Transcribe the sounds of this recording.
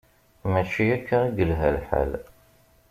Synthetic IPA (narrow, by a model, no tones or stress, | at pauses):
mæt͡ʃijækʰːəɾiɡəlɦælħa̰l